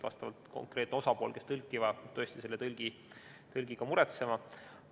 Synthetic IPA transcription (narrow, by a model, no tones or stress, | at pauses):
vɑ̰st̪ɑvɑ̰lt̪ko̞̰ŋkre̞ːt̪neo̞sɑpo̞ːlke̞st̪ɤlkːˑivɑø̞ːst̪ise̞lːet̪ɤlɡ̥i | t̪ɤlɡ̥iɡ̥ɑmuɾet̪se̞mɑ